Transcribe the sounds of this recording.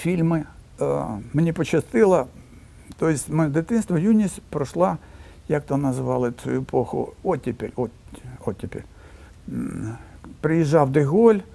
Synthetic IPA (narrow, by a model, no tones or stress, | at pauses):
fʲilʲmɪ | mnʲipɔt͡ɕɪst̪ɪlˠɐ | t̪ojɪsʲtʲmɪd̪ɪt̪ɪnst̪ʋɐjunʲisʲpɾɔʃlˠa | jak̚t̪onɐzɪʋɑlˠɪt͡s̪ʊ̰juepʰoxʊ̰ɔtʲːɪpʲelʲɔtʲɔtʲːɪpʲḛlʲ | pɾɪjɪʒːɑwd̪ɪɣolʲ